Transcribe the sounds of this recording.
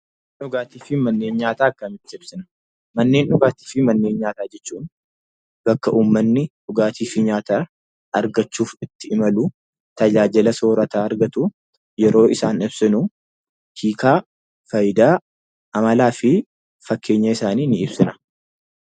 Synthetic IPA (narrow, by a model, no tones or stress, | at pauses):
ᶑʊɡaːt̪iːfɪmɐnːe̞ːɲɲaːt̪aːɐkːɐmɪt̪ːɪɪb̥sɪnɐ̥ | mɐnːe̞ːnᶑʊɡaːt̪i̥ːfɪmɐnːeːɲɲaːt̪aːd͡ʒɛt͡ʃːuːn | bɐkːɐʔuːmːɐnːɪᶑʊɡaːt̪ʰiːfɪɲaːt̪aː | ɐɾɡɐt͡ʃːuːfɪt̪ːɪʔɪmɐluː | t̪ɐd͡ʒaːd͡ʒɪlɐso̞ːɾɐt̪aːɐɾɡɐt̪ʊ | jɛɾʔo̞ːʔɪsaːnɪbsɪnu | hiːkaː | fɐjɪd̪aː | ʔɐmɐlaːfɪ | fɐkːe̞ːɲːɐɪsaːniːnɪɪbsɪnɐ̥